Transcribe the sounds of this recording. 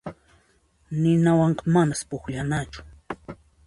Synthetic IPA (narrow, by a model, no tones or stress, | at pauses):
nɪnawɑɴqɑmanaspʊkʎanat͡ʃʊ̥